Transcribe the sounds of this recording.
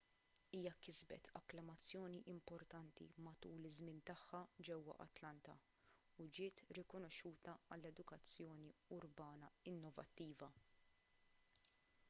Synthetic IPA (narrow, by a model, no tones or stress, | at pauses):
iːjɐkɪzbɛ̰t̪ʰɐkːlɐmɐt͡sːjɔːniʔɪmpɔɾt̪ɐnt̪ḭmɐt̪uːlɪzmɪːnt̪ɐħːɐd͡ʒɛwːɐ̰ʔɐ̰t̪lɐnt̪ɐ | ud͡ʒɪːt̪ɾɪkɔnɔʃːuːt̪ɐɐlːɛd̪ʊkɐt͡sːjɔːniʊɾbɐːnɐɪnːɔvɐ̰t̪ːiːvɐ